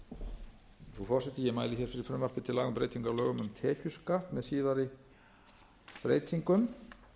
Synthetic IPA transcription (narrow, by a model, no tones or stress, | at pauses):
θufɔr̥sɛt̪ɪjɛmaːjlɪçɛːɾ̥fɪɾɪɾ̥fɾʏmvar̥pɪt̪ʰɪlaːɣʏmpɾḛːjt̪iŋkaɾlœːɣʏmʏmt̪ʰɛːcʏskaft̪mɛðsiːðaɾɪ | pɾḛːjt̪ʰiŋkʏm